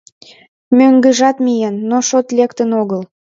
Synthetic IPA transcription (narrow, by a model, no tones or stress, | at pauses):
møŋɡə̆ʒɑt̪mijenːoʃot̪lʲekt̪ənoɣəl